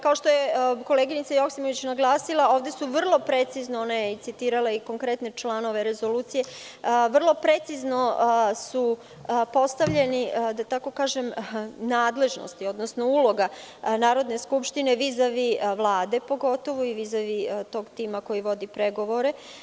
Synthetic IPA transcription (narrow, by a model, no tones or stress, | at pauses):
kaoʃt̪o̞jeko̞leɡinit̪sajo̞ksimo̞ʋit͡ɕnaɡlˠaːsilˠao̞ːʋd̪e̞suʋr̩lˠo̞pɾe̞t̪siznoonajeit̪sit̪iːɾalˠaiko̞ŋkɾe̞t̪ne̞t͡ʃlˠano̞ʋe̞ɾezo̞luːt̪sije̞ʋr̩lˠo̞pɾe̞t̪sizno̞su | po̞st̪aʋʎe̞nid̪at̪ako̞kaːʒe̞mnaːd̪le̞ʒno̰st̪io̞d̪nosno̞ulo̞ɡanaːɾo̞d̪ne̞skupʃt̪ine̞ʋizaʋiʋlˠaːd̪e̞po̞ɡo̞t̪o̞ʋuiʋizaʋit̪o̞ːɡt̪iːmako̞jiʋo̞d̪ipɾe̞ɡo̞ʋo̞ɾe̞